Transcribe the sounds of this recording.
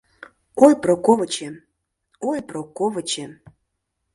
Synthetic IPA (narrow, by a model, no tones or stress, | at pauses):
ojpɾokovət͡ɕe | ojprokovə̆t͡ɕe